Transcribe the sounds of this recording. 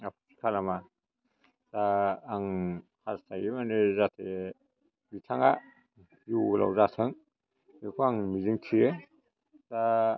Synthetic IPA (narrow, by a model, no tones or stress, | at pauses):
apʰusʰi̥kʰalama | z̥aːŋhaztʰajimanɯzatʰe | bitʰaŋa | jula̰wzatʰɯŋ | nekʰuaŋmiziŋtʰie | z̥a